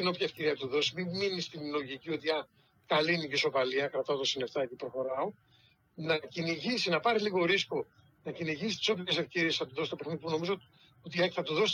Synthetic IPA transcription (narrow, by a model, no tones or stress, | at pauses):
t̪ino̞pçɐefce̞ɾiɐt̪uðo̞simimminist̪inlo̞ʝicio̞t̪iɐ | kɐliniɟiso̞pɐliɐkɾɐt̪ɐot̪osine̞ft̪ɐecipɾo̞xo̞ɾɐo̞ | nɐciniʝisinɐpɐɾiliɣo̞ɾisko̞ | nɐciniʝisi̥t̪i̥so̞pjce̞se̞fce̞ɾiesθɐt̪uðo̞sit̪opexniðipuno̞mizo | ot̪ieçθɐt̪uðo̞s